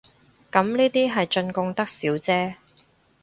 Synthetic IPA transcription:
kɐ˨˥mniː˥t̪iː˥ɦɐ˨jt͡ʃɵ˧nkʊ˧ŋt̪ɐ˥k̚siː˨˥wt͡sɛː˥

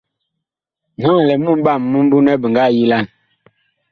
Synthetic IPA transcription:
na˦˨lɛ˨mu˦m˦ɓa˦˨mːu˦m˦bu˦nɛ˦bə˨ŋɡa˦˨ji˦la˦˨n

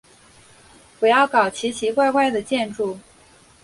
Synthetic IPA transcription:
wɔ˨˩jɑ˥˩ʊkɑ˨˩ʊt͡ɕʰi˧˥t͡ɕʰi˧˥kwa˥˧ɪkwa˥˩ɪd̪ə˩t͡ɕjɛ˥˧nʈ͡ʂu˥˩

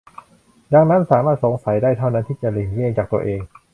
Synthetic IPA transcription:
da˧ŋna˦˥nsaː˩˦maː˥˩t̪̚so˩˦ŋsa˨˩˦jdaː˥˩jt̪ʰa˥˩wna˦˥nt̪ʰiː˥˩t͡ɕa˨˩leː˨˩ŋjeː˥˧˩ŋt͡ɕaː˨˩k̚t̪u˧ɐʔeː˧ŋ

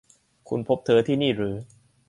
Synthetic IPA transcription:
kʰṵ˧npʰo˦˥p̚t̪ʰɤː˧t̪ʰiː˥˩niː˥˩ɾɯː˩˦

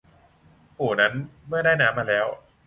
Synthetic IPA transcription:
huː˨˩na˦˥nmɯ˥˩ɐdaː˥˩jnaː˦˥maː˧lɛː˦˥w

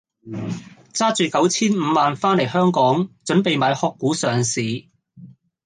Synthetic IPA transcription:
t͡saː˥t͡ʃyː˨kɐ˨˥wt͡sʰiː˥nm̩ː˨˧maː˨nfaː˥nle˨˩jhœː˥ŋkɔː˨˥ŋt͡ʃɵ˨˥npe˨˧jmaː˨˧jhɔː˧kːuː˨˥sœː˨ŋsiː˨

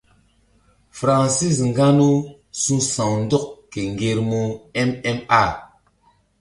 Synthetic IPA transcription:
fɾa˨nsi˦˨sŋ̩˨ɡa˦nu˦ | su˦sã˨ŋn̩˦dɔ˦kke˨ŋ˨ɡe˨ɾmo˦ɛ˦mɛ˦ma˦˨

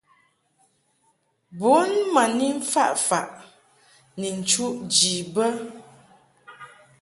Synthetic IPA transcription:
bo˨˦nma˨ni˦ɱ̩˦fa˦ʔfa˨ʔ | ni˨n̩˨t͡ʃu˦ʔd͡ʒi˨bə˦

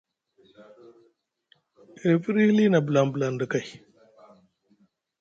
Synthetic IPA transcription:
e˨fi˦ɾi˦li˦na˨bla˨mbə˨la˨ndə˨ka˨j

